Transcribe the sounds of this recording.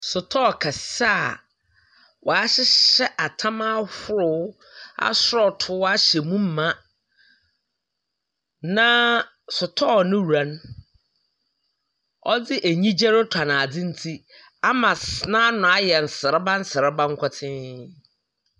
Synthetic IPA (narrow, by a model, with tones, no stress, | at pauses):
sʊ˨tʰɔ˦˨kʰa˨si̥˨˦sa˦˨ | wʔɔ˨a˦ɕɪ˦ɛ˦ʔa˨tʰã˦mã˦hʊ˦ɾʊ˦ | a̰˦sɾɔ˨tʰʊ˦wa˦ɕɛ˨mũ˦m̩˦mã˦ | nã˦ | sʊ˨tʰɔ˦˨nʊ̃˦˨a˨n˦ | ɔ˦dɪ˦ʔæ˨ɲĩ˦d͡ʑɛ˦ɾɪ˦tʰa˨nã˨d͡zɪ̃˦n̩˦tʰi˦ | a˦mã˨snã˦nʊ̃˨a˦jɛ˨n̩˨sɪ˨ɾɪ˦bã˦n̩˦sɪ˨ɾɪ˦bã˦ŋ˦kʷʰɔ˦tʰɪ̃˦